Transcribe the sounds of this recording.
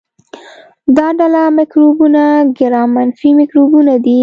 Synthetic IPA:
d̪ɑɖalamɪkɾobunaɡɪɾɑmanfimɪkɾobunad̪i

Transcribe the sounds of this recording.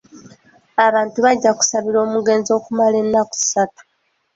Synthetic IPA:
aβaːntuβaɟːaku̥saβiɾo̞ːmuɡe̞ːnzo̞ːkumale̞nːaku̥satu̥

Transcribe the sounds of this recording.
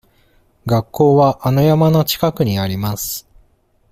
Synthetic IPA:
ɡakːo̞ːβaʔanojamano̞t͡ɕi̥kakɯ̟ɲ̟iaɾʲimasɨ̥

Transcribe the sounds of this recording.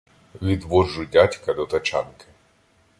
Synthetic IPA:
ʋʲid̪ʋɔʒʊdʲatʲkɐd̪ɔt̪ɐt͡ʃɑ̰nkɪ̥

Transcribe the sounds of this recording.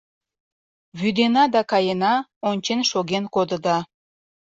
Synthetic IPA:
βyd̪enɑd̪ɑkɑjenɑonʲt͡ɕenʃoɣenkod̪ə̆d̪ɑ

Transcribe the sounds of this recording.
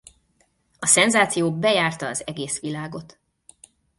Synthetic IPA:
ɒsɛnzaːt̪sijoːbɛjaːrt̪ɒːzɛɡeːsʋilaːɡo̞t̪

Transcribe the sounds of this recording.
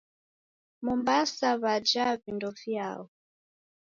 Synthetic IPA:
mumbasaβad͡ʒavindɔvja̰wɔ

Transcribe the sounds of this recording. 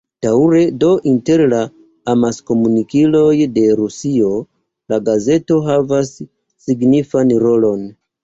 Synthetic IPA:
d̥auɾedo̞ʔinte̞ɾla | amasko̞munikilo̞jde̞ɾusio | laɡaze̞to̞ɦavasː | iɡnifanɾo̞lo̞n

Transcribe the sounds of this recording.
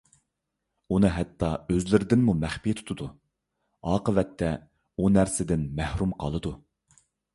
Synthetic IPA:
unɨɦɛt̪ʰːɑøzlɪɾɪd̪ɪnmumæχpijt̪ʰu̥t̪ʰud̪u | ɑːqəvɛt̪ʰːɛ | unæɾsɪd̪ɪnmæhɾumqʰɑlˠɨd̪u

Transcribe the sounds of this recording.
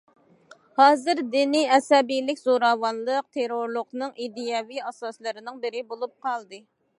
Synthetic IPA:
hɑːzɨɾd̪iniɛsɛbijlɪkʲzoɾɑwɑnlˠəq̚t̪ʰeɾoɾlˠʊqnɨŋid̪ijɑviɑsɑslˠɨɾɪnɪŋbɪɾɪbolˠup̚qʰɑlˠd̪ɨ

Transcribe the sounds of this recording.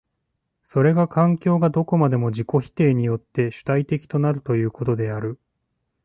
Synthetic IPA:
so̞ɾe̞ɡakʰãŋkʲo̞ːɡad̪o̞ko̞mad̪e̞mo̞d͡ʑiko̞çi̥t̪e̞ːɲ̟ijo̞t̪ːe̞ɕɨ̥t̪ait̪e̞kʲi̥t̪o̞naɾɯ̟t̪o̞jɯ̟ːko̞t̪o̞d̪e̞aɾɯ̟

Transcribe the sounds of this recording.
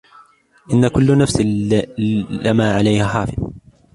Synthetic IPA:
ʔɪnːakʊlːnafs | amaːʕalajhaħaːfɪð

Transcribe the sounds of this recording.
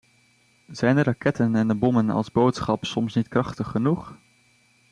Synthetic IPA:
z̥ɛjndərɑkɛtənɛndəbɔmənɑ̰lˠzbowtsχɑpsɔmsnitkrɑχtəχːənuχ

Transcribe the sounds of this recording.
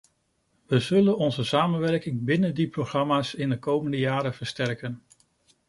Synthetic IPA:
ʋəzɵlənɔnzəsaːmənʋɛɹkɪŋbɪnəndiproχrɑmaːsɪndəkowməndəjaːɾəv̥əɹstɛɹkən

